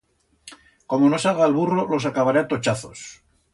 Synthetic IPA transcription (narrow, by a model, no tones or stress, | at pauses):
ko̞mo̞no̞salɣaːlβuro̞lo̞s̬akaβaɾeat̪ot͡ʃaθo̞s